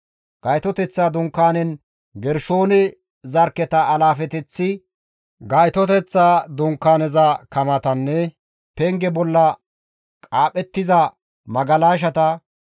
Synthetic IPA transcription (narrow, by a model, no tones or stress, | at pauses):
ɡ̥ɐjt̪ɔt̪ɛt͡sːaːd̪ʊŋkːaːnɛn | ɡɛɾʃo̞ːnɛ | zɐɾkːɛt̪ɐːlaːfɛt̪ɛt͡sːɪ | ɡɐjt̪ɔt̪ɛt͡sːaːd̪ʊŋkːaːnɛzɐkɐmɐt̪ɐnːɛ | pɛŋɡɛbɔlːɐ | kʼaːpʼɛt̪ːɪzɐ | mɐɡɐlaːʃ̬ɐt̪ɐ